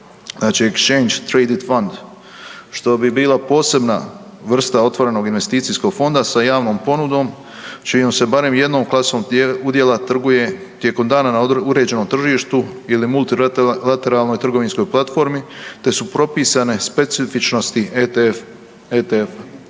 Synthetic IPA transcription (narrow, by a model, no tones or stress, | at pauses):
zaːt͡ʃiekst͡ʃe̞jnd͡ʒt̪ɾejd̪it̪fond̪ | ʃt̪o̞bibiːlˠapo̞ːse̞bna̰ | ʋr̩st̪ao̞t̪ʋo̞ɾe̞no̞ɡinʋe̞st̪iːt̪sijsko̞ɡ̥fo̞nd̪asajaːʋno̞ːmpo̞nud̪o̞ːm | t͡ʃijo̞mse̞baɾe̞mje̞d̪no̞ːmklˠasoːmud̪je̞lat̪r̩ɡuje̞ | t̪jeko̞md̪aːnanauɾe̞ːd͡ʑe̞no̞mt̪r̩ʒiːʃt̪uilimulˠt̪ilat̪e̞ɾaːlˠno̞jt̪r̩ɡo̞ʋinsko̞jplˠat̪fo̞ɾmit̪e̞supɾo̞piːsane̞spe̞t̪sifit͡ʃno̞st̪i | et̪ef